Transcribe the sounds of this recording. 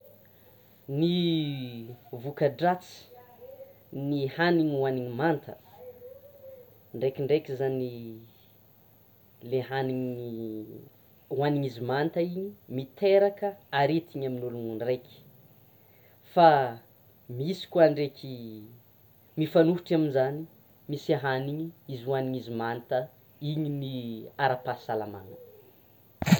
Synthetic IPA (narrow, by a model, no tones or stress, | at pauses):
ni | vukəɖ͡ʐat͡si̥ | nihaniɲwaniɲimant̪ə | ɳɖ͡ʐekʲiɳɖ͡ʐekizani | leɦaniɲ | waniɲizimant̪aiɲimit̪eɾakəaɾet̪iɲaminuluŋunrekʲi̥ | fa | misi̥kuaɳɖ͡ʐekʰʲi | mifanuɦuʈ͡ʂaminzani | misaɦaniɲiizuwaniɲizimant̪ə | iɲiniaɾapasalama̰nə